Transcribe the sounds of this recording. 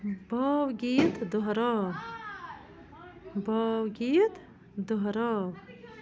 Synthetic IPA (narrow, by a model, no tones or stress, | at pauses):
bɔwɡit̪d̪uɦɾɔ | bɔwɡit̪ | d̪uɦɾɔ